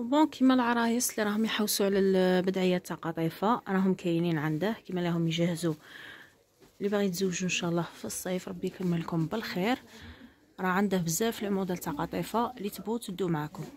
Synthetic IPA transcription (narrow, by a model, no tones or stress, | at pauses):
bɔ̃kʰimælʕɑɾˤɑjəsliɾˤɑhʊmjħawːsuʕlælbəd̪ʕəjːæt̪ːɑqɑt̪ˤifaɾˤɑɦʊmkæjninʕand̪əhkimælæhʊmjʒæhzu | libaɣit̪zəwːʒuənʃæʔlˤːɑfisˤːɑfɾˤɑbːijkəmːəlkʊmbəlxiɾ | ɾˤɑʕand̪əhbəzːæfilmud̪əlt̪ːɑqɑt̪ˤifalit̪əbut̪əbd̪umʕakʊm